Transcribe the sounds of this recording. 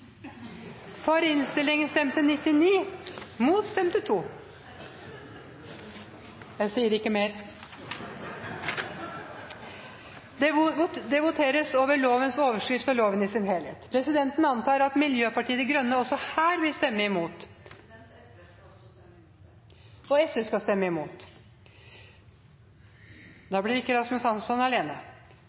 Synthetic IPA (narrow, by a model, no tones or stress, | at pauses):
fɔɾɪnst̪ɪlːɪŋənst̪ɛmt̪ənɪt̪ːɪniːmuːt̪st̪ɛmt̪ət̪ʰuː | jæɪsiːəɾɪkːəmeːɾ | d̪ɛʋʊt̪ʰeːɾəsoːʋəɭoːʋənsoːʋəʂkɾɪft̪ɔloːʋənɪsɪnheːlheːt̪pʰɾɛsɪd̪ɛnt̪n̩ɑnt̪ɑːɾɑt̪mɪljøːpɑʈiːəd̪ɛɡɾœnːəɔsːɔhæːɾʋɪlst̪ɛmːəɪmuːt̪ | ɔɛsɛskɑst̪ɛmːəɪmuːt̪ | d̪ɑːblɪɾɪkːəɾɑst̪mɛshɑnsɔnɑleːnə